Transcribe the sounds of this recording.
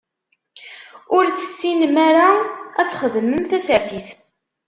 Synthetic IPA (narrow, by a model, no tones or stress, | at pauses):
ʊɾθə̥sːinmaɾaæt͡sːχəðəməmθæsəɾt̪iθ